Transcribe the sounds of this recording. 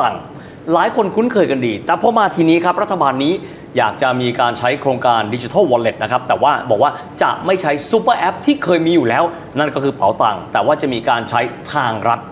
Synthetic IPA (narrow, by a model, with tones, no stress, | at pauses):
a˨˩ŋ | laː˨˦jkʰo˧nkʰu˦˥nkʰɤː˧jka˧ndiː˧t̪ɛː˨˩pʰɔ˧˥maː˧t̪ʰiː˧niː˦˥kʰɾa˦˥p̚ɾa˦˥t̪ʰːa˧baː˧nːiː˦˥ | jaː˨˩k̚t͡ɕa˨˩miː˧kaː˧nt͡ɕʰa˦˥jkʰɾoː˧ŋkaː˧ndi˧t͡ɕi˧t̪ʰa˥˩wɔː˧le˨˩t̪̚na˦kʰa˦˥p̚t̪ɛː˨˩waː˥˩bɔ̰ː˨˩k̚waː˥˩ | t͡ɕa̰˨˩ʔma˥˩jt͡ɕʰa˦˥jsu˦˥pə˧˩ʔɛ˦˥p̚t̪ʰiː˥˩kʰɤː˧jmiː˧juː˨˩lɛː˦˥w | na˥˩nkɔː˥˩kʰɯː˧pa˩˦wt̪a̰˨˩ŋt̪ɛː˨˩waː˥˩t͡ɕa˨˩ʔmiː˧kaː˧nt͡ɕʰa˦˥jt̪ʰaː˧ŋɾa˦˥t̪̚